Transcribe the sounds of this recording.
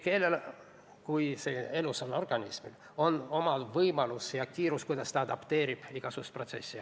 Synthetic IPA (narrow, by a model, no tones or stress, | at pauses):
ke̞lːel | kujsee̞lusono̞rɡ̥ɑnʲismḭl | o̞no̞mɑvɤjmɑlusjɑkiːɾuskujd̪ɑst̪ɑɑd̪ɑpt̪e̞ːɾib̥iɡ̥ɑsust̪pro̞t̪se̞̰sʲːi